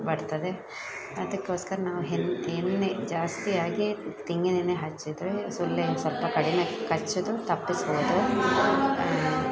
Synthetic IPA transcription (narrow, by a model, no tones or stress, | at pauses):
bɐɽt̪ɐd̪e | ɐd̪ɐkːeoːskɐɾɐnaːʋuɦenenːed͡ʒaːst̪ijaːɡit̪iŋɡed̪ineɦɐt͡ʃːid̪ɾesulːɐnsɐlpɐkɐɽinɐkɐt͡ʃːud̪ut̪ɐpːisɦoːd̪o